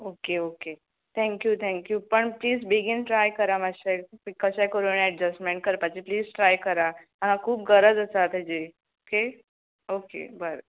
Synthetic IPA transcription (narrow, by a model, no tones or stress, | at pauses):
okeoke | t̪ʰɛ̃ŋkjut̪ʰɛ̃ŋkjupəɳpliːzbiɡinʈɾajkəɾamaɕakəɕakəɾunɛʈd͡ʑəsʈmẽɳʈ̚kəɾpat͡ɕipliːzʈɾajkəɾa | anãkʰuːp̚ɡəɾəd͡zəsat̪əd͡ʑe | oke | okḛbəɾ